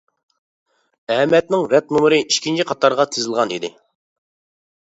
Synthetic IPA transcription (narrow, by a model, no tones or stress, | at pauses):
ɛɦɛmɛt̪̚nɪŋɾɛt̪̚numɾɨiʃkʲʰint͡ʃʰiqʰɑt̪ʰɑɾʁɑt̪ʰezɪlˠʁɑnḭd̪ɪ̰